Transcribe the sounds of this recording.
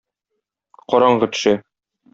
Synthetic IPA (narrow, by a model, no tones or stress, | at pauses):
qɒɾɑɴɢɤ̆t̪ɵ̥̆ʃæ